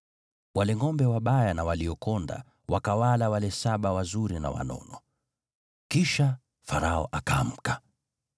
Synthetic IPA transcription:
walɛŋɔmbɛwaɓajanawaliɔkɔnda̰ | wakawalawalɛsaɓawazuɾina̰wa̰nɔ̰nɔ | kiʃa | faɾaɔ̰ʔakam̩ka

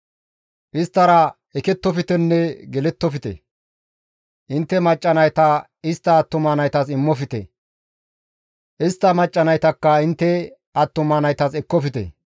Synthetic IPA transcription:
ʔɪst̪ːɐɾɐ | ɛkɛt̪ːɔfɪt̪ɛnːɛɡɛlɛt̪ːɔfɪt̪ɛ̰ | ʔɪnt̪ːɛmɐt͡ʃʼːɐnɐjt̪ɐ | ɪst̪ːɐːt̪ːʊmaːnɐjt̪ɐs̬ɪmːɔfɪt̪ɛ̰ | ʔɪst̪ːɐmɐt͡ʃʼːɐnɐjt̪ɐkːɐɪnt̪ːɛ | ɐt̪ːʊmaːnɐjt̪ɐsɛkːɔfɪt̪ɛ̰

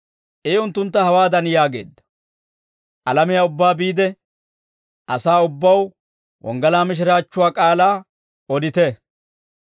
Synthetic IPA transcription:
ʔeːʊnt̪ːʊnt̪ːɐhɐwaːd̪ɐnjaːɡe̞̰ːd̪ːɐ̥ | ʔɐlɐmɪjaʊbːaːbiːd̪ɛ | ʔɐsaːʊbːɐw | wʔɔ̰ŋɡɐlaːmɪʃ̬ɾaːt͡ʃːʊwaːkʼaːlaː | ɔd̪ɪt̪ɛ

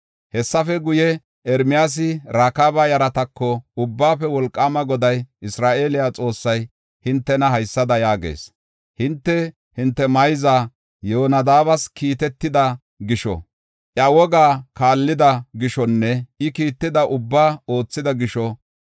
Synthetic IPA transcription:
hɛsːɐfɛɡʊjɛ | ʔɛɾmɪjaːs̬ɪɾaːkaːbajɐɾɐt̪ɐkːɔʊbːaːfɛwɔlkʼːaːmɐɡɔd̪ɐjɪsɾaːʔe̞ːlɪjaːt͡sʼo̞ːsːɐj | hɪnt̪ːɛnɐɦɐjsːɐd̪ɐjaːɡḛːs | hɪnt̪ːɛ | hɪnt̪ːɛmɐjzaː | joːnɐd̪aːβɐskiːt̪ɛt̪ːɪd̪ɐ | ɡɪʃɔ̰ | ʔjɐwɔɡaːkaːlːɪd̪ɐɡɪʃɔnːɛɪkiːt̪ːɪd̪ɐʔʊbːaːo̞ːt͡sːɪd̪ɐɡɪʃɔ

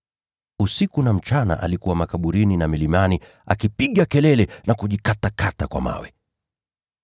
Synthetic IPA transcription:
usikunam̩t͡ʃana̰ʔa̰likuwamakaɓuɾininamilimani | a̰kipiɠakɛlɛlɛnakuʄikatakatakwa̰ma̰wɛ

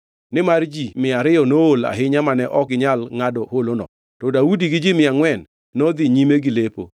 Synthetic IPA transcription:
nɪmard͡ʒimɪaɾɪjɔnoola̰ɦɪɲamanɛʔɔkɪɲalŋadɔholonɔ̰ | tɔdaudiɡɪd͡ʒɪmɪaŋwɛnː | od̪ɪɲimeɡɪlepo̰

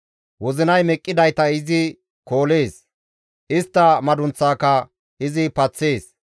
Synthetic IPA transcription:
wɔzɪnɐjmɛkʼːɪd̪ɐjt̪ɐɪzɪ | ko̞ːle̞ːs | ʔɪst̪ːɐmɐd̪ʊnt͡sːaːkɐ | ɪzɪpɐt͡sːe̞ːs

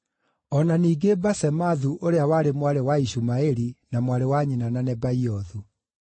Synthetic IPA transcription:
ɔnaniːɡebasɛmaðuʔoɾeawaɾemwaɾewaiɕumaeɾinamwaɾewaɲinananɛbaiɔðu

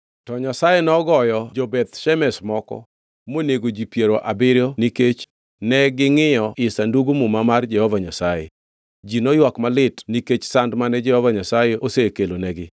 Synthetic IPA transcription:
tɔɲasajenɔɡɔjɔd͡ʒobɛt̪ʃɛmɛsmɔkɔ̰ | moneɡod͡ʒipjeɾoʔabɪɾjoniket͡ʃ | nɛɡɪŋɪjɔɪsanduɡumumamard͡ʒɛhɔvaɲasajḛ | d͡ʒinɔjwakmalɪtniket͡ʃsandmanɛd͡ʒɛhovaɲasajeosekelonɛɡɪ

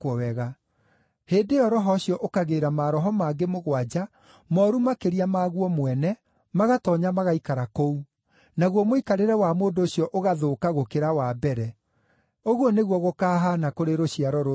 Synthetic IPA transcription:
kɛɣa | heːdejɔɾɔɦɔɕjɔʔokaɣeːɾamaɾɔɦɔmaɡemoɣwad͡ʑa | mɔːɾumakeɾiamaɣwɔmwɛnɛ | maɣatɔɲamaɣaikaɾakou | naɣwɔmoikaɾeɾɛwamoːndoːɕjɔʔoɣaðoːkaɣokeɾawabɛɾɛ | oɣwɔneɣwɔɣokaːɦanakoɾeɾoɕiaɾɔɾo

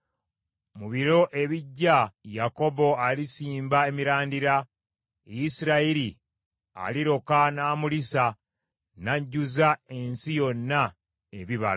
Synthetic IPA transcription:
muβiɾo̞ʔe̞βiɟːajako̞bo̞alisiːmbae̞miɾaːndiɾa | jisiɾaiɾi | a̰liɾo̞kanaːmulisa | naɟːuzae̞nsijo̞nːa | eβiβa̰

